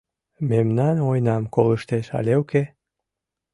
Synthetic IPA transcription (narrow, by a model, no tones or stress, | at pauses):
memnɑnojnɑmkoləʃt̪eʃɑ̰lʲeuke